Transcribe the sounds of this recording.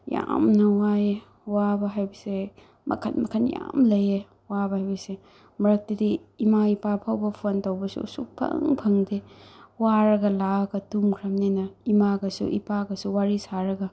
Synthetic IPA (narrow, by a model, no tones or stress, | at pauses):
ja̰mnɐwaje | wabɐɦajbise | mɐ̰kʰɐnmɐkʰɐnja̰mlɐje | wabɐhajbise | mɾɐk̚tɐdiimaipapʰawbɐpʰontawbɐsṵsṵk̚pʰɐ̰ŋpʰɐŋdewaɾɐɡɐlaɡɐtumkʰɾɐmnenɐimaɡɐsṵʔḭpaɡɐsuwaɾisaɾɐɡɐ